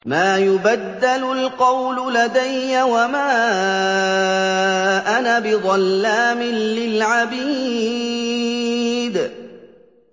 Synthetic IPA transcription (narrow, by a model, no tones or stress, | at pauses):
maːjʊbad̪ːalʊlqɑwlʊlad̪ajːawamaː | ʔanabɪd̪ˤɑlːaːmɪnlɪlʕabiː | d̪